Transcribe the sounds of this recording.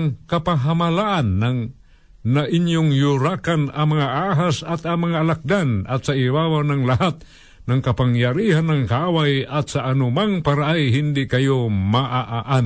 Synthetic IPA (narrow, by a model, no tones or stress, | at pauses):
ŋkapaɦamalaʔanːaŋ | naʔiɲjʊŋjʊɾakanamaŋaʔaɦasat̪amaŋaːlak̚d̪anat̪saiwawanaŋlaɦat̪̚ | naŋkapaŋjaɾihanːaŋkaawajat̪saʔːnʊmaŋpaɾaʔajɦɪnd̪ɪkajomaʔaʔaʔan